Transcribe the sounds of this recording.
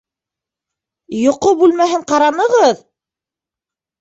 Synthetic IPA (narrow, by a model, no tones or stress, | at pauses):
jŏqobʉlmæɦɘɴqɑɾɑnɤ̆ʁɤð